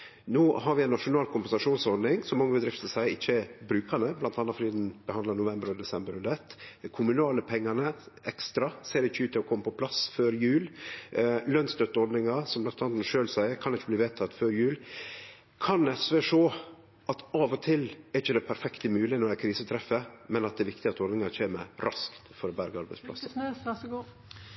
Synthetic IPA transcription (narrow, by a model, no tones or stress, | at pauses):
noːɦɑɾʋɪɛɪnːɑʂʊnɑːlkʊmpɛnsɑʂuːnsɔɾɖ̪nɪŋsɔmːɑŋːəbəd̪ɾɪft̪əsæɪəɪçːəɛbɾʉːkʰɑnəblɑnt̪ɑnːɑt̪fɔdiːd̪nb̥əhɑnd̪lɑnʊʋɛmbəɾɔd̪ɛsɛmbəɾʉnd̪ɛt̪ːkʰʊmʉnɑːləpʰɛŋːɑnəɛkst̪ɾɑseːɾɪçːəʉːt̪ːɪlɔkʰɔmːəpʰɔpʰlɑsføːɾjʉːl | lœnst̪œt̪ːəɔɾd̪nɪŋɑsɔmblɑnt̪ɑːnt̪n̩ʂøːlsæɪəɾkʰɑnd̪ɛɪçːəbliːʋeːt̪ʰɑt̪ːføːɾjʉːl | kʰɑnɛsʋeːʂoː | ɑt̪ɑːʋɔt̪ʰɪlɛɾɪçəd̪ɛpʰæɾfɛkt̪əmʉːlɪnɔɾæɪkʰɾiːsət̪ʰɾɛfːəmɛnɑt̪̚d̪ɛʋɪkt̪ɪɑt̪ɔɾd̪nɪŋɑc͡çʰeːmə̰ɾɑskt̪fɔɾɔbæɾɡəɑɾbæɪdspʰlɑ̰s